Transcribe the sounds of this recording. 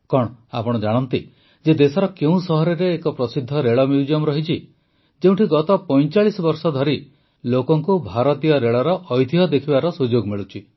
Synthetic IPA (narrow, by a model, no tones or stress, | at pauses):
kɔɽ̃a̰pɔɽ̃ɔd͡ʒaɽ̃ɔnt̪i | d͡ʒed̪esɔɾɔkeũsɔɦɔɾeɾeːkɔpɾɔsid̪ʱːɔɾeɭɔmjud͡ʒijɔmɾɔɦit͡ʃʰi | d͡ʒeũʈʰiɡɔt̪ɔpɔj̃t͡ʃaɭisɔbɔɾsɔd̪ʱɔɾi | lokɔŋkubʱaɾɔt̪ijɔɾeɭɔɾɔʔːjd̪ʱiɦɔd̪ekʰibaɾɔsud͡ʒoɡmiɭut͡ʃʰi